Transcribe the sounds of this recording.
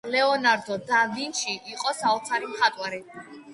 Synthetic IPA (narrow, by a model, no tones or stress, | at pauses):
lɛɔnaɾd̪ɔd̪avinʃiʔːqʼɔsaɔt̪sʰaɾimχat̪ʼwaɾi